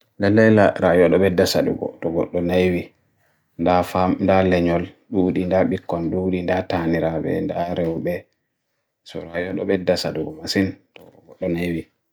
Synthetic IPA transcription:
lɛlːɛlaɾajɔɗɔɓɛdasadṵɡɔ̰tɔɡɔɗːɔnajwi | ndafamndalɛɲɔlɗuɗindaɓikːɔnɗuɗindataniɾaɓɛ̰ndaɾɛwbɛ | sɔ̰ɾajɔɗɔ̰ɓɛdasaduɡɔmasintɔɡɔɗːɔnajwi

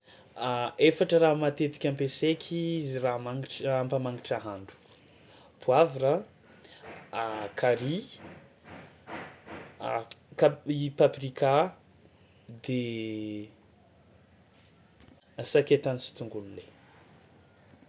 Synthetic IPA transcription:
aefaʈ͡ʂəramat̪et̪i̥kʲampesekʲʰizramaŋiʈ͡ʂampamaŋiʈ͡ʂaɦaɳɖ͡ʐu̥ | pʰuavira | akʰaɾi | kaipaprika | d̪e | asaket̪anisi̥t̪uŋɡulule

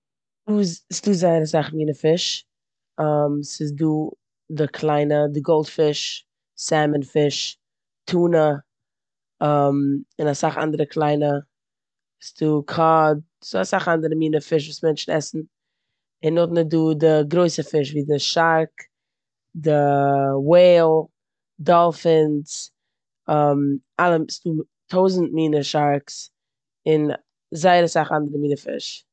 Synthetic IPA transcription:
duːsduːzaɪəɾasaχmiːnəfɪʃ | amsɪsduː | dɪkʰlˠaɪnədɪɡɔlˠtfɪʃ | sɛmənfɪʃ | tʰuːnə | amɪnasaχa̰ndəɾəkʰlˠaɪnə | sɪ̥duːkʰɔd̚zoasaχandəɾəmiːnəfɪʃ̬vuːsmɛnt͡ʃn̩ɛsn̩ | ɪnːɔtnɪduːdɪɡɾoɪsəfɪʃviːdɪʃaɾk | dɪweɪlˠ | dɔlˠfɪns | ɔmʔalˠəstuː | tʰoʊzn̩t̚miːnəʃaɾks | ɪn | zaɪɾasaχandəɾəmiːnəfɪ̰ʃ

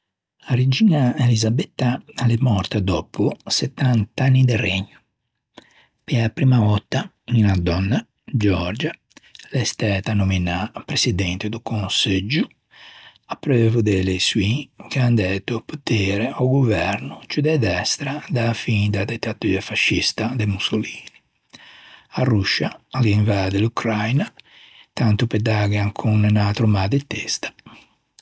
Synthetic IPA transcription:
aɾed͡ʒiːnaelizabɛt̪ːaalɛmɔɾt̪ad̪ɔpusɛt̪ːant̪anːid̪ɛreɲːu | pɛapɾimavɔt̪ːa | ninad̪ɔnːa | d͡ʒɔɾd͡ʒa | lɛst̪ɛt̪anuminapɾesid̪ɛnt̪ed̪ukonsed͡ʒu | apːɾɛvud̪ɛlesuikand̪ɛt̪uput̪eːɾeawɡuvɛɾnut͡ʃud̪ɛd̪ɛst̪ɾad̪afind̪ad̪it̪ːat̪uːafaʃːist̪ad̪emusoliːni | aruʃaaliiɱvaːd̪elukɾajna | t̪ant̪uped̪aɡaŋkʰunnat̪ɾumad̪et̪ːest̪ḁ

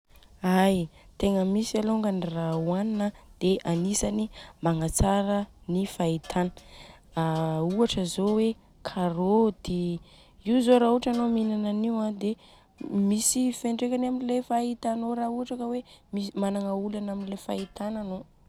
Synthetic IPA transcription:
ajt̪eŋəmisialoŋɡanirawaninəd̪̥eʔanisanimaŋat͡saɾənifait̪ʰanə̥auaʈ͡ʂəzowe | kʰaɾod̪e | iuzoɾauʈ͡ʂanominananiwãd̪e | misifeɳɖ͡ʐekanaminilefait̪anoɾauaʈ͡ʂakəwemisimanaŋaulanaminilefait̪anano

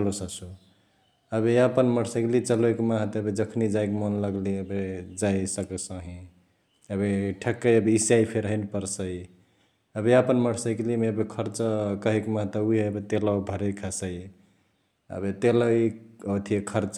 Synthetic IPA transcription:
lusəsu | əbeapənməɽsəkelit͡ʃəloikmaɦt̪əbed͡ʒəkʰnid͡ʒaikmənləɡliəbed͡ʒaisəkəsə̃ɦĩ | əbeʈʰəkːəjəbeisaipʰeɾɦənpəɾsəi | əbeapənməɽʰsəjkelimeəbekʰəɾt͡ʃkəɦekmãɦt̪əuieəbet̪elawbʱəɾekʰasəj | ə̰bet̪elaiot̪ʰiekʰəɾt͡ʃ

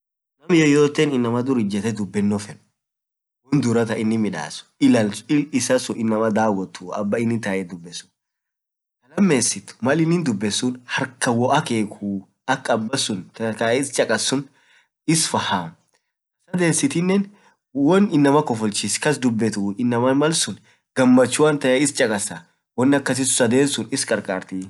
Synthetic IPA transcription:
nɐmjɛjoːt̪ːeːnɪnːɐmɐd̪ʊɾɪd͡ʒɛt̪ɛd̪ʊbːɛnːɔfɛn | wɔnd̪ʊɾɐt̪ɐɪnːɪmɪᶑa̰ːsʊ̥ɪlɐlɪɪsɐsʊʔɪnːɐmɐd̪aːwɔt̪ːuɐ̰bːɐɪnːɪnt̪aːʔɛd̪ʊbːɛsʊ̥ | kɐlɐmːeːsɪt̪ʊ̥mɐlɪnːɪnd̪ʊbːɛsːʊnhɐɾkɐwɔʔɐkeːkʰu | ɐkʼːɐbːɐsʊnt̪ɐkɐjɐɪst͡ʃʼɐkʼɐsːʊn | ɪsfɐhaː | sɐd̪e̞ːsːɪt̪ɪnːɛn | wɔnɪnːɐmɐkːɔfɔlt͡ʃːɪskɐs̬d̪ʊbːɛt̪uːɪnːɐmɐnmɐlsʊn | ɡ̥ɐmːɐt͡ʃːʊwɐnt̪ɐjɐɪst͡ʃʼɐkʼɐsa | wɔnːɐkːɐs̬ɪsʊ̥sɐd̪e̞ːnsʊnɪskʼɐɾkʼaːɾt̪i

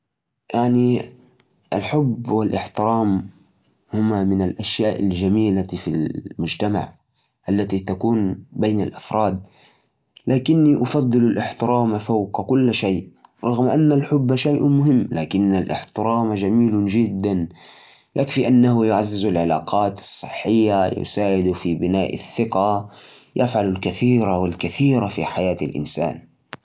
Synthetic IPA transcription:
jaʕni | ʔa̰lħʊbːwɪlʔɪħt̪ɨɾaːm | hʊmamɪnalʔaʃjaːʔa̰ld͡ʒamiːlafilmʊd͡ʒt̪ama̰ʕ | ʔalːat̪it̪akuːnbeːnalʔafɾˤɑːd̪̚ | laːkɪnːiʔʊfɑd̪ˤːɨlalʔɪħt̪ɨɾɑːmafawqkʊlːʃajʔɾˤɑɣmʔanːalħʊbːʃajʔmʊɦɪmːlaːkɪnːalʔɪ̰ħt̪ɨɾɑːmad͡ʒamiːld͡ʒɪd̪ːan | jʔakfiʔanːahʊjʊʕazːɪzalʕɪlaːqʰɑːt̪ɑ̥sˤːɨħːɪjːajʊ̰saːʕɪd̪ʊfibɪnaːʔa̰θːɪqa | jafʕalalkaθiːɾawɪlkaθiːɾafiħajaːt̪alʔɪ̰nsa̰ːn

